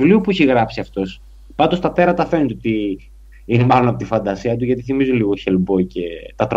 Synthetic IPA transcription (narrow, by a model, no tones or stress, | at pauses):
uliupuiçeɣɾɐpsiɐft̪o̞s | pɐnd̪ost̪ɐt̪e̞ɾɐt̪ɐfe̞net̪ot̪i | inemɐlonɐpo̞t̪ifɐnd̪ɐsiɐt̪̬uʝɐt̪iθimizunliɣo̞çelbo̞ice̞t̪ɐt̪ɾ